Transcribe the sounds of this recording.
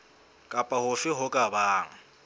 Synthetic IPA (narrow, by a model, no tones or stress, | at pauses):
kʼapʼahʊfɪɦʊkʼabaːŋ̩